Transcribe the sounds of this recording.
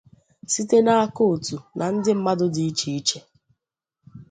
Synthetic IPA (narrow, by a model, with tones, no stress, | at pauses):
si˦te˦na˦a˦ko˦˨tu˨nʔa˨n̩˦dɪ˦m̩˦ma˦dʊ˦dɪ˨i˦t͡ʃi˨i˦t͡ʃe˦